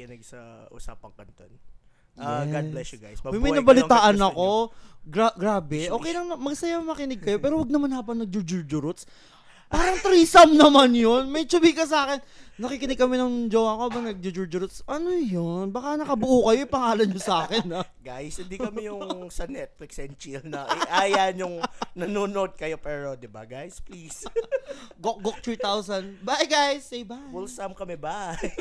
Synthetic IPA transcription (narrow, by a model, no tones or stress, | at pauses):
kɪnɛɡsɐʔṵsa̰ːpɐŋkɐnt̪on | ɡadblɛsɡajsmmɐjnɐbɐlɪt̪aːʔɐnɐko̞ɡɾaɡɾaːbɛʔo̞ːkɛjlɐŋnɐmɐɡsɐjamɐkɪnɪɡ̚kɐjopɛːɾowɐɡ̚nɐmanhaːbɐŋnɐɡ̚d͡ʒʊd͡ʒʊɹd͡ʒʊɾʊt̪s | paːɾɐŋt̪ɾiːsɐmnɐmanjonmɐjt͡ʃʊbikɐs̬aːkɛnːɐkikɪnɪɡ̚kɐmɛnɐŋd͡ʒowakobɐŋnɐɡ̚d͡ʒʊd͡ʒʊɹd͡ʒʊɾʊt̪sʔɐnojonbɐkanɐkɐbʊʔukɐjo̞ɪpɐŋaːlɐnɲosaːkɛnɐɡajsɪnd̪ikɐmɛjʊŋsɐnɛt̪̚lɪksɛnt͡ʃilnɐʔɛʔaːjanʊŋnɐnuːnoʔod̪̚kɐjopɛːɾo̞d̪ɪba̰ɡajsplis | ɡok̚ɡok̚t̪ɾiːt̪awsɐnbajɡajsɛjbaulsɐmkɐmɛba